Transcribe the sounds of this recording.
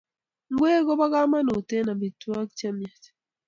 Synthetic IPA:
ŋ˦ɡwe˦ɣɔ˦βa˦ɣa˦ma˦nu˨te˦na˨bi˨twa˦kt͡ʃa˦mja˨ti̥

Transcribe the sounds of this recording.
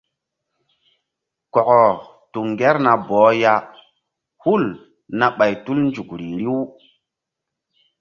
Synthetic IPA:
kɔ˨kɔ˨ | tu˨ŋɡe˦ɾna˨bɔː˨˦ja˦ | hu˦˨l | na˨ɓa˨jtu˦lnd͡ʒu˨kɾi˨ɾi˦w

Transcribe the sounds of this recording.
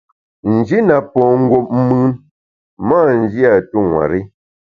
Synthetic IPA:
n̩˨d͡ʒi˦na˨pɔ˨ŋ̩˦ɡwo˨p̚m̩˦mɯ˦n | ma˦˨n̩˨d͡ʒi˦a˨tu˦ŋwa̰˨ɾi˦

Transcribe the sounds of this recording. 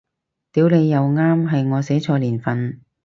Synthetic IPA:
t̪iː˨˥wle˨˧jːɐ˨˧wŋaː˥mɦɐ˨jŋɔː˨˧se˨˥t͡ʃʰɔː˧liː˨˩nfɐ˨n

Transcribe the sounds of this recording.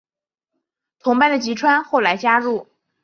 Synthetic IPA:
t̪ʰʊ˧˥ŋpa˥˩nd̪ə˩t͡ɕi˧˥ʈ͡ʂʰwa˥nxo˥˩ʊla˧˥ɪt͡ɕja˥ɻu˥˩

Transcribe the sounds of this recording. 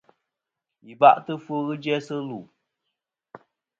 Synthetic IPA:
ji˨ba̰˦ʔtɨ˦fo˦ɣɨ˦d͡ʒɛ˦sɨ˦lu˨

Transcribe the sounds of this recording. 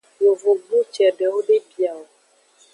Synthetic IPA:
jo˨vo˨ɡ͡bu˦t͡ʃɛ˨ɖɛ˨wo˦ɖe˦bi˨a˨wo˨

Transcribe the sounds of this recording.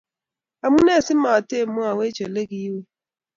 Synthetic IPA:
a˨mʊ˦ne˦˨sɪ˦ma˨a˨te˦˨mʊ˦a˨we˦t͡ʃo˨le˦ɡi˦we˦

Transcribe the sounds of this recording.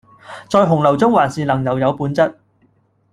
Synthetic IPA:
t͡sɔː˧jɦʊ˨˩ŋlɐ˨˩wt͡sʊ˥ŋwaː˨˩nsiː˨˩lɐ˨˩ŋjɐ˨wjɐ˨˧wpuː˨˧˥nt͡sɐ˥t̚

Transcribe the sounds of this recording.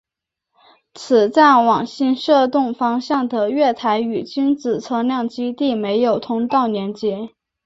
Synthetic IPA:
t͡sʰɹ̩˨˩t͡sa˥˩ɪwɑ˨˩ŋɕi˥˧nʂɤ˥˧t̪ʊ˥˩ŋfɑ˥ŋɕjɑ˥˩ŋd̪ə˩ɥɛ˥˩t̪ʰa˧˥ɪy˨˩t͡ɕy˥nt͡sɹ̩˨˩t͡sʰɤ˥ljɑ˥˩ŋt͡ɕi˥t̪i˥˩me˧˥ɪjo˨˩ʊt̪ʰʊ˥ŋt̪ɑ˥˩ʊnjɛ˧˥nt͡ɕɛ˥

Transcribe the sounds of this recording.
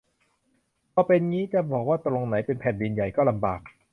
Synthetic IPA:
pʰɔː˧pe˧nŋiː˦˥t͡ɕa˧˩bɔː˨˩k̚waː˥˩t̪ɾo˧ŋna˩˦˥jpe˧npʰɛː˨˩ndi˧nja˨˩jkɔː˥˩la˧mbaː˨˩k̚

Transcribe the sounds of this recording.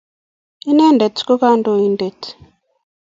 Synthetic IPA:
i˦nɛ˦nde˨tʰko˦ka˦ndo˨i˨nde˨t

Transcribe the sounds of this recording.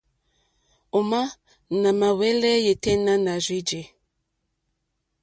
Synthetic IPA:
o˨ma˦ | na˨ma˨wɛ˦lɛ˦je˨tɛ˦na˦na˨zwi˦d͡ʒe˨

